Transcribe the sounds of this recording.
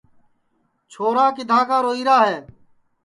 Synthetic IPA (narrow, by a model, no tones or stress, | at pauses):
t͡ʃʰoːɾaːk̬ɪd̪ʱãːkaːɾoːiːɾaːɦeː